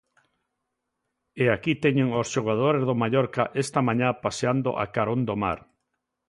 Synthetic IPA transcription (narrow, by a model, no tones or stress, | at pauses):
eakit̪ɛɲeŋosʃoɣ̞að̞oɾezðomaʎɔɾkaʔest̪amãɲapaseand̪o̰ʔa̰kaɾond̪oma̰ɾ